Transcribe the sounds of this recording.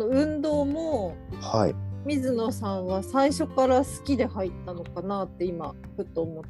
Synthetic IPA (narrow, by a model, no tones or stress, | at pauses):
noɯ̟̃nd̪o̞ːmoha̰ḭmʲizɨno̞sãɰ̃βasaiɕo̞kaɾasɨ̥kʲid̪e̞hait̪ːano̞kanat̪ːe̞ima | ɸɯ̟t̪ːoːmo̞t̪ː